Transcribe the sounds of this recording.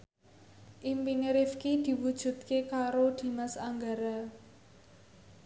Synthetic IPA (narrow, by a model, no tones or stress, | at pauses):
ʔimpiniɾifkid̪̥i̤wud̥ʒ̥ṳt̪̚kekaɾod̪̥i̤masaŋɡaɾa